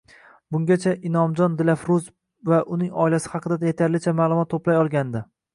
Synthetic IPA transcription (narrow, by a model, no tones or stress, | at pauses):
bʊŋɡʲat͡ʃʰaʔɪnɒmd͡ʒɒnd̪ɪlafɾʊz | vaʔʊnɪŋɒɪlasɪ̥hɑqʰɨd̪ad̪ajet̪ʰaɾlɪt͡ʃʰamaːlˠʊmɒt̪ːoplajɒlˠɡʲand̪ɪ